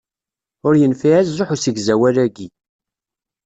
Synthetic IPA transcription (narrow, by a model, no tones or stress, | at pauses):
ʊɾjənfiæzzˤoħusiɡzæwælæɡi